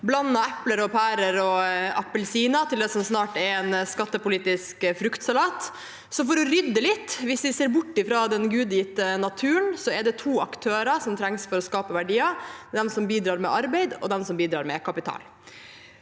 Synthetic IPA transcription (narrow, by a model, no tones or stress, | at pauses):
blɑnːɑɛpləɾɔpʰæːɾəɾɔɑpːəlsiːnɑt̪ʰɪld̪ɛsɔmsnɑːʈɛɾɛnskɑt̪ːəpʊliːt̪ɪskfɾʉkt̪sɑlɑːt̪ | sɔfɔɾɔɾʏd̪ːəlɪt̪ːʋɪsʋ̪ɪseːɾbʊʈːɪfɾɑːd̪ɛnɡʉːd̪jɪːt̪ənɑt̪ʰʉːənsɔɛɖɛt̪ʰuːɑkt̪ʰøːɾɑsɔmt̪ʰɾɛŋsfɔɾɔskɑːpəʋæɖiːɑd̪ɛmsɔmbiːd̪ɾɑːɾmɛ̰ʔɑɾbeɪd̪ɔ̰d̪ɛmsɔmbiːd̪ɾɑːɾmɛ̰kʰɑpɪt̪ʰɑ̰ːl